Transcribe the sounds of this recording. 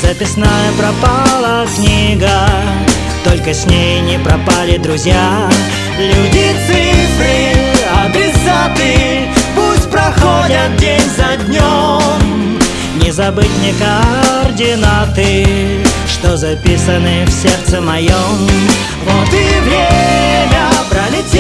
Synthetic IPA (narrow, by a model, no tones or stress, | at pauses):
zɐpʲɪsnajəpɾɐpalˠəknʲiɡə | t̪olʲkəsʲnʲejnʲɪpɾɐpalʲɪd̪ɾʊzʲja | lʲudʲit̪sɨpɾʲɪɐd̪ɾʲɪsat̪ɨ | pusʲt̚ʲpɾɐxodʲɐt̪̚dʲenʲzɐdʲnʲom | nʲɪzɐbɨtʲnʲɪkərdʲɪnat̪ɨ | ʂt̪ozɐpʲisənɨfsʲert̪səmɐjom | vot̪ɨvɾʲemʲɐbɾalʲi